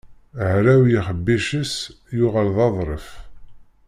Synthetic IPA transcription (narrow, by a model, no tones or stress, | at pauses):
əʕɾæwjiχəbːiʃəs | jʊʁælðˤɑðˤɾˤəf